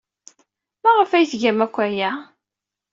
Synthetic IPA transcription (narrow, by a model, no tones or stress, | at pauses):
mæʁəfæjθʝæmækʷːæjæ